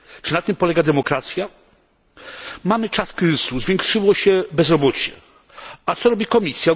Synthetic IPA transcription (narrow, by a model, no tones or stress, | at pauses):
t͡ʂɨnat̪ɘmpɔlɛɡad̪ɛmɔkɾat̪sʲja | mamɘt͡ʂaskɾɘzɨsuzvʲjɛ̃ŋkʂɘwɔɕɛbɛzɾɔbɔt͡ɕɛ | at̪sɔɾɔbʲikɔmʲisʲja